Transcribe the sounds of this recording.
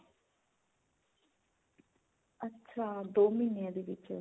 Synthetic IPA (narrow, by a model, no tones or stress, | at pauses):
ətːʃʰaːd̪oːminijãːd̪iːʋɪt͡ʃ